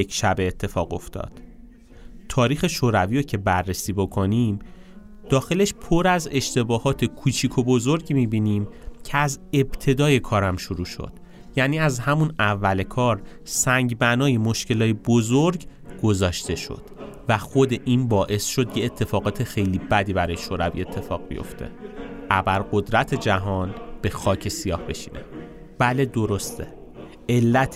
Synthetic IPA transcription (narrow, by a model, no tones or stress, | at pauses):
ekʃæbeːt̪ʰːefɒ̰ːɣo̞̰ft̪ʰɒ̰ːd̪̥ | t̪ʰɒːɾiːxe̞ʃoːɾæviːɾocʰe̞bærːesiːbo̞kʰo̞nim | d̪̥ɒːxe̞le̞ʃpʰo̞ɾæze̞ʃt̪e̞bɒːhɒːt̪ʰe̞kʰuːt͡ʃʰiːkʰobo̞zoɾɟmibiːniːmcʰeæze̞b̥t̪ʰe̞d̪ɒːje̞kʰɒːɾæmʃuɾuːʃo̰d̪̥ | jæniːæzhæmunævːæle̞kʰɒːɾ | sæŋɟbænɒːje̞moʃce̞lɒːjebozoɾɟ | ɡo̞zɒːʃt̪e̞ʃo̰d̪̥væxod̪e̞ʔinbɒːʔe̞sʃo̞d̪jeːt̪ʰːe̞fɒːɣɒːt̪ʰe̞xe̞jliːbæd̪iːbæɾɒːje̞ʃoːɾævḭe̞t̪ʰːe̞fɒ̰ːɣbḭjo̰ft̪ʰe̞̰ʔæbæɾɢo̞d̪ɾæt̪ʰe̞d͡ʒæɦɒːnb̥e̞xɒːcʰe̞sijɒːhbe̞ʃi̥̰ːnʔḛ | b̥æle̞d̪o̞ɾo̞st̪ʰe | elːæt̪ʰ